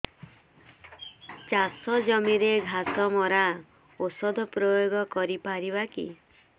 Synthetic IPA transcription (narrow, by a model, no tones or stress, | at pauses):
t͡ʃasɔd͡ʒɔmiɾeɡʱat̪ɔmɔɾa | osɔd̪ʱɔpɾojoɡɔkɔɾipaɾibakḭ